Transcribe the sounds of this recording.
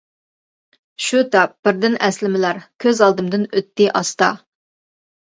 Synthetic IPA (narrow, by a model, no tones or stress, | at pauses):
ʃut̪ʰɑp̚b̥ɪɾd̪ɪnʔɛslɪmɪlæɾkʲʰøzɑlˠd̪ɨmd̪ɨnøt̪ːɪʔɑst̪ɑ̰